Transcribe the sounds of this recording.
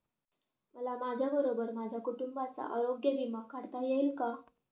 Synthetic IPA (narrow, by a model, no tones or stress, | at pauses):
məlamad͡ʑʱjabəɾobəɾmad͡ʑʱjakuʈumbat͡sa̰ʔəɾoɡjəʋimakːaɽt̪ajelka